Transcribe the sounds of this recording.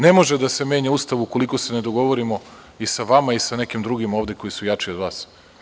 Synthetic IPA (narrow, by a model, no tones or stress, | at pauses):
nemo̞ʒed̪ase̞me̞ːɲaust̪aʋuuko̞liko̞se̞ned̪oɡo̞ʋoɾimo̞ | isaʋamaisanekimd̪ɾuɡimo̞ːʋd̪eko̞jisujat͡ʂio̞d̪ʋaːs